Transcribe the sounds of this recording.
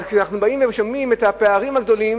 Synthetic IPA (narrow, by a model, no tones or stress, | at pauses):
kʃanaχnubaimvemeʃamimet̪hapeaʁimaɡd̪o̞lim